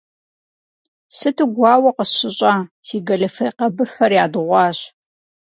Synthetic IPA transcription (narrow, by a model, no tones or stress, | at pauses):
sɨtʰɨɡʷɑːwɐqəsɕɪɕʼaːsiːɡɐlɐfɐjqɐbɨfɐrjaːdɨʁʷɑːɕ